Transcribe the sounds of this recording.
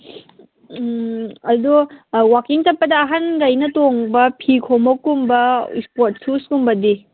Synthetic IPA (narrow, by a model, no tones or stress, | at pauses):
ɐduwakiŋtɐpːɐdɐːɦɐnɡɐjnɐtoŋbɐpʰikʰomɐkumbɐḭspoɾt̚suskumbɐdi